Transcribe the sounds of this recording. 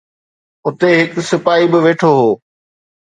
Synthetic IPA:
ʊt̪eɦɪksɪpaːibɪʋeːʈʰoɦoː

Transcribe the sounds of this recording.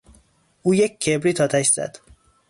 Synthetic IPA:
ʔuːjec̚ʲcʰːebɾiːt̪ʰɒːt̪ʰæʃz̥æ̰d̪̥

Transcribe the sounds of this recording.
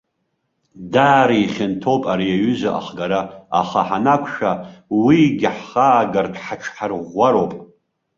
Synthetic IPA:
daːɾiiχʲɪntʰowpʼaɾijaɥʏzaʔa̰χɡaɾaa̰χaħanakʷʰʃawiɡʲɪħːaːɡartʰħaʈ͡ʂʰħarʁʷːaɾopʼ

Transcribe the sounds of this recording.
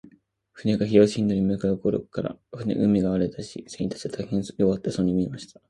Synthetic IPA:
ɸɯ̟ne̞ɡaçijoːɕĩnd̪oɾʲimɯkajɯkoɾo̰̥kaɾa̰ɸɯ̟nḛʔɯ̟mʲiɡaaɾet̪aɕisẽiit̪ḁt͡ɕi̥et̪ʰaihẽɰ̃joβat̪ːesõɲ̟ːimʲiemaɕi̥t̪ʰḁ

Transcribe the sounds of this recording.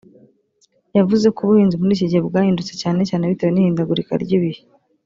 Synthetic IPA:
javuze̞kuβuhiːnzimuɾiːciɟebɡaːhiːndut͡secaːne̞caːneβitewenihiːndaɡuɾika̰ɾɟiβihi

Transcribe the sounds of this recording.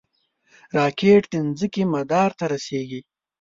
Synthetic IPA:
ɾɑːkeʈd̪ɪnzəkimad̪ɑɾt̪aɾaseɡi

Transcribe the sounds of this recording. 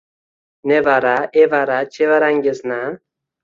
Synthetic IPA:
nevaɾaʔevaɾat͡ʃevaɾaŋɡʲesna

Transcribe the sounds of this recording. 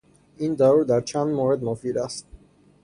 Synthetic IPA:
ind̪auɾd̪aɾt͡ʃʰanmɔɾɛd̪mɔfiɾas

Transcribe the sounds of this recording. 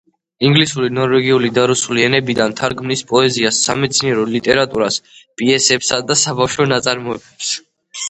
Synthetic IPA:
iŋɡlisuɾinɔɾvɛɡiulid̪aɾusuliɛnɛbid̪ant̪ʰaɾɡmnispʼɔɛziasːa̰mɛt̪sʰniɛɾɔlit̪ʼɛɾat̪ʼuɾaspʼiɛsɛpsad̪asabafʃɔnat̪sʼaɾmɔɛbɛps

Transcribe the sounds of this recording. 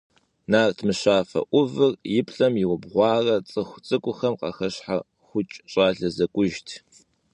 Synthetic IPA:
naːrtʰmɨɕaːfɐ̰ʔʷʊvɨrjɪpʰɬʼɐmjɪwʊbʁʷɑːrɐt͡sʼɨxʷt͡sʼɨkʷʼʊxɐmqɑ̰xɐɕħa | xʷʊt͡ʃʼɕʼaːɮɐzɐkʷʼʊʒtʰ

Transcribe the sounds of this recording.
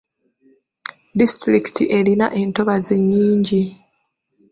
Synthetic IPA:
distɾiki̥tʰḭʔe̞lina̰ʔe̞ːnto̞βaziɲːiːɲɟi

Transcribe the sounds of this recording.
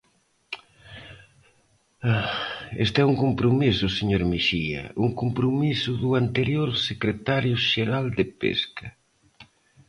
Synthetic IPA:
aḛst̪ɛuŋkompɾomisʊseɲoɾmiʃiɐ̰uŋkompɾomisʊðuant̪eɾjoɾsekɾet̪aɾjʊʃeɾald̪epḛskɐ

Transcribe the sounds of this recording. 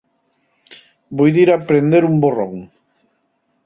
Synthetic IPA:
bojðiɾapɾend̪eɾumboro̰ŋ

